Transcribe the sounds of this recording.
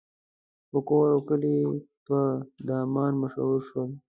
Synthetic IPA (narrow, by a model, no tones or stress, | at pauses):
pəkoːɾokəlipəd̪ɑːmɑːnməʃɦuɾʃwəl